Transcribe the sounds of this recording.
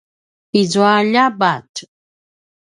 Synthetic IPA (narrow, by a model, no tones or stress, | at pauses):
izwaʎabat